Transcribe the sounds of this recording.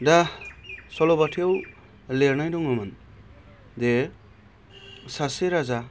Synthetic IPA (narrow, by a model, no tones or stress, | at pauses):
da | sɔlobatʰijaw | leɾnajdɔŋɔmɯn | d̪e | saseɾaza